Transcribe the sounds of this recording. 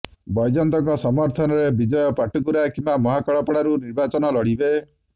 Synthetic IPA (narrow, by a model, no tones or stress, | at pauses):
bɔjd͡ʒɔnt̪ɔŋkɔsɔmɔɾt̪ʰɔnɔɾebid͡ʒɔjɔpaʈukuɾakimbamɔɦakɔɭɔpɔɽaɾuniɾbat͡ʃɔnɔlɔɽibe